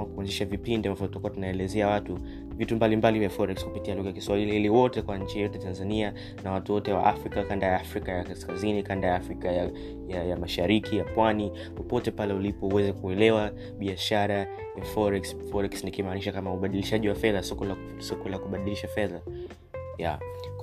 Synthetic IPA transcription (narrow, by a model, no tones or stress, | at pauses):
akuanziʃavipindiambavɔutakuwatunaɛlɛzɛawatu | vitumbalimbalivjafɔɾɛkskupitialuɣajakiswahilihiliwɔtɛkwaɲ̩t͡ʃijɔtɛjtanzania | nawatuwɔtɛwa̰ʔafɾikakandajaafɾikajakaskazinikandajafɾikaja | jajamaʃaɾikʰijapwani | pɔpɔtɛpalɛulipɔuwɛzɛkuɛlɛwa | ɓiaʃaɾa | jafɔɾɛksfɔɾɛksnikimaːniʃakamauɓaɗiliʃaʄiwafɛðasɔkɔla | sɔkɔlakuɓaɗiliʃafɛða | ja̰